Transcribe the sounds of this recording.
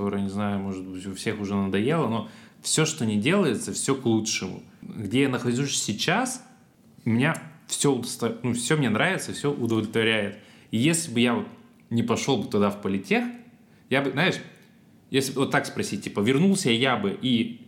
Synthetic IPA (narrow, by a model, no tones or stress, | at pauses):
t̪o̞ɾɨjənʲɪznajʊmo̞ʐɨt̪̚bɨtʲʊfsʲe̞xʊʐɛnəd̪ɐjelˠəno̞fsʲo̞ʂt̪o̞nʲɪdʲe̞lˠəjɪt̪səfsʲoklˠutʂɨmʊ̰ɡdʲejanəxɐʐʲusʲsʲɪt͡ɕas | mʲɪnʲafsʲo̞ʊd̪əst̪ɐnufsʲomnʲenɾavʲɪt̪səfsʲoʔʊd̪əvlʲɪt̪vɐɾʲæjɪt̪ijesʲlʲɪbɨjavot̪̚ | nʲɪpɐʂo̞lˠbɨt̪ʊd̪afpəlʲɪtʲe̞xt̪ | jabɨznaɪʂ | jesʲlʲɪbɨvo̞t̪ːakspɾɐsʲit̚ʲtʲːipəvʲɪrnulˠsʲəjabɨʔi